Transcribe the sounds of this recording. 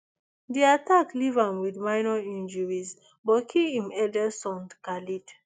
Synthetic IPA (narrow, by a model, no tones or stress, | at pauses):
diatʰaklivãmwidmaɪnɔĩnd͡ʒɔɹiz | bɔkʰiĩmɛdɛsɔ̃ndkalid